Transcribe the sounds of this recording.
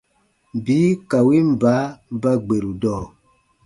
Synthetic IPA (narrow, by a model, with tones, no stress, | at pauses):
bi˨˦ka˨wi˦m̩˨ba˨˦ba˦ɡ͡be˨ɾu˨dɔː˦˨